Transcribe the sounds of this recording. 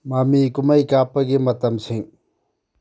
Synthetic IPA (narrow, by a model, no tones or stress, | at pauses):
maːmikumɐikaːpɐɡemɐt̪ɐmsʰĩŋ